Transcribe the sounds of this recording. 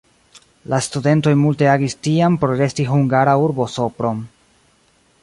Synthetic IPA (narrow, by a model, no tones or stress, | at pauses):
lastude̞nto̞jmulte̞aɡistiampoɾoɾe̞stiɦuŋɡaɾauɾbo̞so̞pɾo̞m